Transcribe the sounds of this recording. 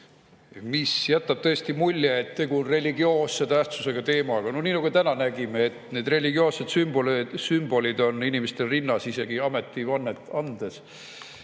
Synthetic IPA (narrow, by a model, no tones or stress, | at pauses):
misjæt̪ːɑb̥̚t̪ɤ̞est̪imulʲːjeet̪ːe̞ɡuonre̞lʲiɡio̞ːsːet̪æht̪suse̞ɡ̥ɑt̪e̞ːmɑɡ̥ɑnoniːnɑɡ̥ut̪ænɑnæɡ̥imeːt̪ne̞ːd̪re̞lʲiɡio̞ːsːed̪̥symb̥olsymb̥o̞lʲid̪o̞ninimest̪erinːɑsise̞ɡ̥iɑme̞t̪ˑːivɑnːe̞t̪ːˑɑnd̪̥es